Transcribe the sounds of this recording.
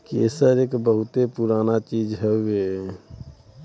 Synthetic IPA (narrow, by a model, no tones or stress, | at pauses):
keːsəɾeːkbəɦut̪epuɾaːnat͡ʃiːd͡ʒɦɛe